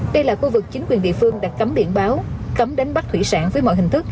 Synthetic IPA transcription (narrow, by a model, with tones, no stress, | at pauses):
ɗə˧jlaː˨˩xu˧vɨ˨˩k̚t͡ɕi˨˦ŋkwi˨˩ənɗḭ˧˨əfɨ˧əŋɗaː˧˥kkə˨˦mɓḭ˧˨ənɓaː˨˦wkə˨˦mɗe˨˦nɓa˦˥t̪ʰwḭ˧˩sa̰ː˧˥nvəː˨˦jmɔ̰˧˨ɦï˨˩ŋ̟t̪ʰɨ˦˥k̚